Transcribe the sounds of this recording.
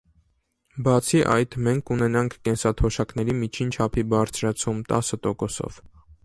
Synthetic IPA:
bɑt͡sʰiʔɑ̰jt̪mɛŋkʰunɛnɑŋkʰkɛnsɑt̪ʰɔʃɑknɛɾimit͡ʃʰint͡ʃʰɑpʰibɑɾt͡sʰɾɑt͡sʰumt̪ɑ̰sət̪ɔkɔsɔ̰v̥

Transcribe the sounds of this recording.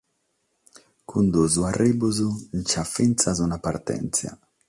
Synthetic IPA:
kʰund̪uzuaribuzunt͡ʃafinsazunapaɾt̪ɛ̰nsja̰

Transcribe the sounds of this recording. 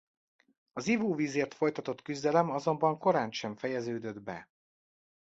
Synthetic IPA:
ɒzivuːviːzeːrt̪fo̞jt̪ɒt̪o̞t̪kyzd̪ɛlɛmɒzo̞mbɒŋko̞ɾaːnʃɛɱfɛjɛzøːd̪ød̪bɛ

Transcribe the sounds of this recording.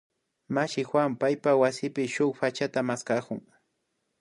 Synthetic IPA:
maʃɪxwampajpawasɪpɪʃʊχpat͡ʃat̪amaskakʊŋ

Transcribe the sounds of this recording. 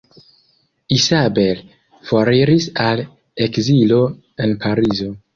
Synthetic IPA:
isabe̞l | foɾiɾisal | ekzilo̞ | e̞npʰaɾizo̞

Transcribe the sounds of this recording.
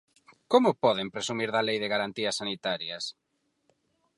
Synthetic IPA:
komʊpɔð̞empɾesumiɾðɐlejðɪɣaɾant̪iɐsːanit̪aɾjɐs

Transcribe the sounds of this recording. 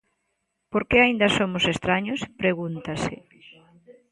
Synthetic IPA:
poɾkeaind̪ɐsomʊsest̪ɾaɲospɾeɣunt̪asɪ

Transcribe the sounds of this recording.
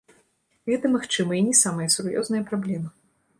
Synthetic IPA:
ɣɛt̪ɐmaxt͡ʂɨmɐinʲɛsamɐjɐsurjɔ̰znɐjɐpɾablʲɛmɨ

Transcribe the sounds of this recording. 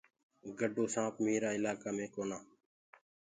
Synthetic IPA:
ɡəɖoːsãːpmiːɾaːɪlaːkaːmẽːkoːnaː

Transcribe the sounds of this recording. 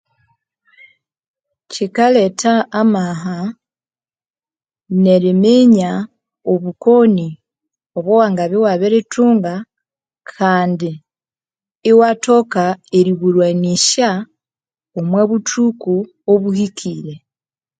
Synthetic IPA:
cikaletaːmaɦa | neɾimeɲa | oβuko̞ni | oβowaːŋɡaβewaβeɾetuːŋɡa | kʰaːndi | wato̞kaeɾiβuɾwaniʃa | omweβutuku | oβuhikʰiːɾe

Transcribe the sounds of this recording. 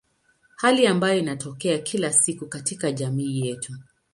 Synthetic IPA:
haliambajɔinatʰɔkɛakʰilasikukatikaʄamiːjɛtʰu

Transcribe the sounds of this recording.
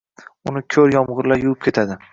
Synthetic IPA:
ʊnɪkʲʰɵɾjɒmʁɨɾlajuʊp̚kʲet̪ʰad̪ɪ

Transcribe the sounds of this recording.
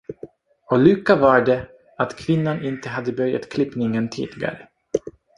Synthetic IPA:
ɔlʉːkːavaɖɛ | at̪kʰvɪnːanɪnt̪əɦad̪ːəbœɾja̰t̪kʰlɪpnɪŋənt̪ʰḭːlɪɡa̰ɾə

